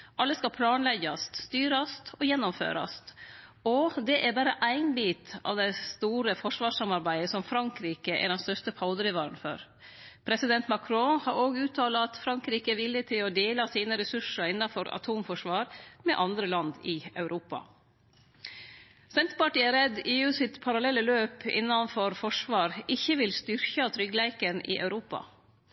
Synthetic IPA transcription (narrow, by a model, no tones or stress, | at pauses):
ʔɑlːəskɑpʰlɑːnlɛɡɑst̪st̪yːɾɑst̪ʰɔjɛnːɔmfø̰ːɾɑ̰st̪ɔd̪ɛʔæɾbɑːɾəʔæɪnbiːt̪ɑ̰ʋd̪ɛɪst̪uːɾəfɔʂʋɑːʂɑmɑɾbæɪəsɔmfɾɑŋkɾiːkəʔɛ̰ɖɛnst̪œʂtəpʰɑʊd̪əɾɪʋɑːɾənfɔ̰ɾ | pʰɾɛsɪd̪ɛnt̪mɑkʰɾohɑɾoːɡʉːt̪ʰɑːlɑɑt̪fɾɑŋkɾiːkəɛʋɪlːɪt̪ʰɪloːd̪eːlɑsiːnəɾɛsʉʂəɾɪnːɑfɔɾɑ̰t̪ʰuːmfɔʂʋɑːɾmɛ̰ːʔɑnd̪ɾəlɑnd̪ɪɑ̰ʉɾʔuːpɑ̰ | sɛnt̪pɑʈiːɛɾɛd̪iːʉːsɪt̪pʰɑɾɑlɛlːəløːpɪ̰nːɑnfɔɾfɔʂʋɑːɾɪçːəʋɪlst̪ʏɾçɑt̪ʰɾʏɡlæɪkənɪ̰ːʔɑ̰ʉɾuːpɑ̰